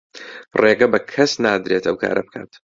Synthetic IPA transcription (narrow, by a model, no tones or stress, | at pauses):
reːɡɐbɐkʰɐsnaːd̪ɾeːt̪ɐwkʰa̰ːɾʔɐb̚ɨkʰa̰ːt̪